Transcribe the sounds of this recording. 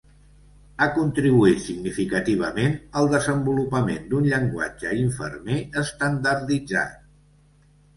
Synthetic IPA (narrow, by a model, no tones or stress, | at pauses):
akunt̪ɾiβuit̪siɡnifikət̪iβ̞əmenəlˠd̪əzəmbulupəmend̪unʎəŋɡwa̰d͡ʒəiɱfə̰rmeəst̪ənd̪əɾðid͡za̰t̪